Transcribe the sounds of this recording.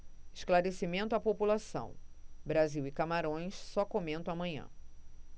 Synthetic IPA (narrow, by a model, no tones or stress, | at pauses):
ɪʃklaɾesimẽnt̪ʊapopulasɐ̰̃w̃bɾaziwikamaɾõj̃ssɔkomẽnt̪ɐ̃w̃amɐ̃ɲɐ̰̃